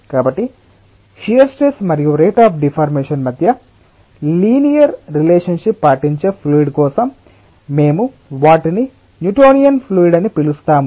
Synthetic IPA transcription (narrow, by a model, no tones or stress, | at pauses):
kaːbɐʈːi | ʃijɐɾsʈeːsmɐɾijuɾeːʈaːpʰɖipʰaːɾmeːʂɐnmɐd̪ʱjɐ | liːnijɐɾːileːʂɐnʂipːaːʈiɲt͡ʃeːpʰluːiɖkɔːsɐmː | e̞ːmu | ʋaːʈini | njuʈoːnijɐnpʰluːiɖɐnipilust̪aːmu